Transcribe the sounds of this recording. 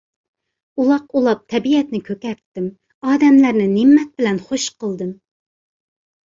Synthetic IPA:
ulˠɑqulˠɑp̚t̪ʰɛbiɛt̪nɪkʲʰøkʲɛɾt̪ːɪm | ɑːd̪ɛmlæɾnɪnɪmːɛt̪̚bɪlɛnχoʃqəlˠd̪ɨm

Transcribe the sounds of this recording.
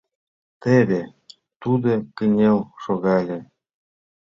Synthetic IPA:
t̪eβʲĕ | t̪ud̪ɤkɘ̆nʲelʃoɣɑlʲĕ

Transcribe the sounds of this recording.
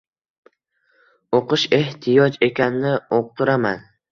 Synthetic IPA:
oqɨʃe̞ht̪ʰɪjɒd͡ʒe̞kʲanɪnɪoq̚t̪ʰɪɾaman

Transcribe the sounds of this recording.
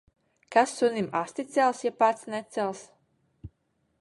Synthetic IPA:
kasːunʲimast̪it̪sɛlˠsjapat̪snɛt̪sɛlˠs

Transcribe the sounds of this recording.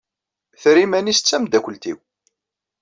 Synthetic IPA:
θɾimænist͡sːæmd̪ækʷəlt̪iw

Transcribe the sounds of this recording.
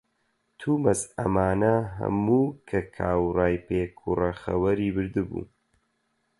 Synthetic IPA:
t̪ʰuːmɐzɐ̰maːnɐɦɐ̰muːkʰɐkʰaːwraːjpʰeːkʰurɐxɐwɐɾiːbɨɾd̪ɨbṵː

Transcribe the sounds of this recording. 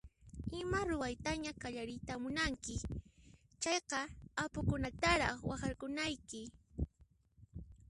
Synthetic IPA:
ɪmaɾʊwajt̪aɲakaʎaɾɪjt̪amʊnaŋkɪ | t͡ʃɑjqɑapʊkʊnat̪aɾɑχwaxɑɾkʊnajkɪ

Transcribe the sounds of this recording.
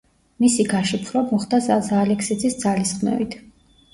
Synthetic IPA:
misiɡaʃipʰɾɔmɔχd̪azazaːlɛksid̪zisd̪zalisχnɛ̰vit̪ʰ

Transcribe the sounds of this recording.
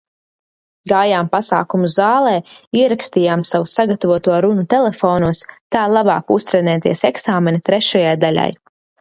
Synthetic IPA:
ɡaːjaːmpasa̰ːkumuzzaːlˠɛːiɛɾakst̪ijaːmsavusaɡat̪avuɔt̪uɔɾunut̪ɛlˠɛfɔːnuɔst̪aːlˠaba̰ːkust̪ɾɛnɛːt̪iɛsɛksaːmɛnit̪ɾɛʃajajd̪alʲa̰j

